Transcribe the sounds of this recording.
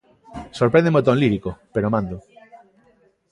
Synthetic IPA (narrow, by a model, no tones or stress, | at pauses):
soɾpɾẽnd̪emot̪̬õnliɾikopeɾomãnd̪o